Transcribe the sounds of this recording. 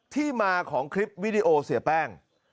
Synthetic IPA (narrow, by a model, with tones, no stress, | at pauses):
t̪ʰiː˥˩maː˧kʰɔː˩˦ŋkʰɾi˦˥p̚wi˦˥di˧ʔoː˧si˨˩pɛː˥˩ŋ